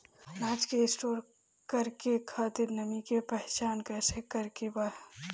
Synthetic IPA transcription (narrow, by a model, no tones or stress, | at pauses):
naːt͡ʃkeɪsʈoːɾ | kəɾkekʰaːt̪ɪɾnəmikepɛɦt͡ʃaːnkɛːsekəɾkebaɦ